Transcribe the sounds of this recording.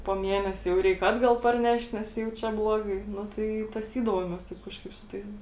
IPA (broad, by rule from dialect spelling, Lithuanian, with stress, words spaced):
poː ˈmʲiɛnʲɛsʲeː jɛʊ ˈrʲɛɪk ˈɑːdɡɐlˠ pɐrʲˈnʲɛʃt nʲɛs jɛʊ ˈt͡ʃʲɛ ˈblˠoːɡɐɪ ˈnʊ tɐɪ ɪ tɐˈsʲiːdɐʋoːmʲeːs ˈtɐɪp kɐʃˈkɐɪp sʊ ˈtɐɪs